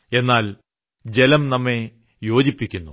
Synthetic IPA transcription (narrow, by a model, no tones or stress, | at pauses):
e̞nːaːl | d͡ʑe̞lɐmnɐmːe | jo̞ːd͡ʑipːikʲːunːu